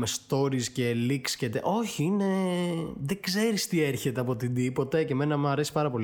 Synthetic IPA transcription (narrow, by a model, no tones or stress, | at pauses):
mest̪o̞ɾisceːlikscet̪ḛʔo̞çiine̞ | ðeɡze̞ɾist̪ieɾçe̞t̪eɐpo̞t̪id̪ipo̞t̪ɐceme̞nɐmɐɾe̞si̥pɐɾɐpo̞l